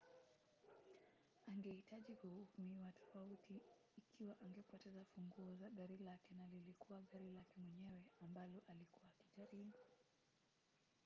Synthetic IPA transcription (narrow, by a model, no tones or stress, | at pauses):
aŋɡɛhitʰaʄihuhumiwatʰɔ̥fautiː | kʰiwaʔaŋɡɛpwɔtɛzafuŋɡuːzaɠaɾilakɛnalilikuwaɠaɾilakɛmwɛɲɛwɛambalɔʔalikuwaːkiʄaɾiɓu